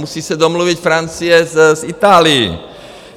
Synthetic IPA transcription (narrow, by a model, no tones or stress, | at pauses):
musiːsad̪ɔmluʋicfɾant͡sijɛzzit̪aːlḭː